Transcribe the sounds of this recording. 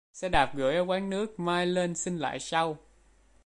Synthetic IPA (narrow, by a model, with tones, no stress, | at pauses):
sɛ̰˧˥ɗaː˨˩p̚ɣɨ̰˨˧˩jʔə˧wkaː˨˦ŋnɨ˦˥ək̚maː˧jle˧nsï˧ŋ̟la̰ː˧˨jsa˧w